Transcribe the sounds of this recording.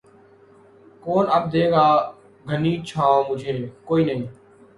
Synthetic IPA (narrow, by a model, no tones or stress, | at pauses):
koːnəb̚d̪eːɡaː | ɡʱəniːt͡ʃʰãːmʊd͡ʒʱeːkoːiːnəɦĩː